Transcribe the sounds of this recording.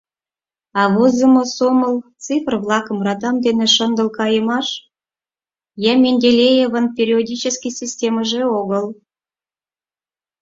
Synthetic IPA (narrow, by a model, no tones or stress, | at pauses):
ɑβozə̆mosomə̆lt͡sɨfrvlˠɑkəmrɑt̪ɑmd̪eneʃə̆nd̪əlˠkɑjəmɑʃ | jæmʲenʲdʲelʲejeβə̆npʲeɾʲiodʲit͡ɕəskʲijsʲisʲtʲeməʒeoɣəlˠ